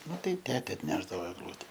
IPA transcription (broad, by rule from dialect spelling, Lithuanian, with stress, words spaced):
ˈnʊ tɐɪ ˈtʲæːtʲɛ ɐtʲˈnʲæːʒdɐʋoː ɛɡˈlˠʊtʲɛ